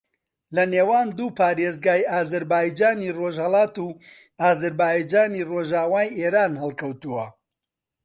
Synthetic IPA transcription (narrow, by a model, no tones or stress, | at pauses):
lɐneːwaːnd̪uːpaːɾeːzɡaːjaːzɐɾbaːjd͡ʒaːniroʒhɐlˠɑːt̪uː | aːzɐɾbaːjd͡ʒaːniːroʒaːwaːjʔeːɾaːnhɨlˠkɐwt̪uwɐ